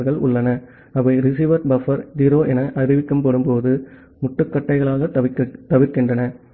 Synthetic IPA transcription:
ɣɐɭʊ̰ɭːɐnɐ | ɐʋɐɪɾɪs̬iːʋɐɾbɐfɐɾd͡ʒiːɾoːʔɛnɐʔɐɾɪʋɪkːɯmpɐɽɯmpoːðɯ | mʊʈːɯkːɐʈːɐɪɣɐɭaːɣɐt̪ɐʋɪɾkːɪndrɐnɐ

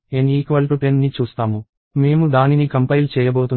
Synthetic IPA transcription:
eːniːkʋɐlʈuʈennit͡ʃuːst̪aːmu | me̞ːmud̪aːninikɐmpɐjlut͡ʃɛːjɐboːt̪un

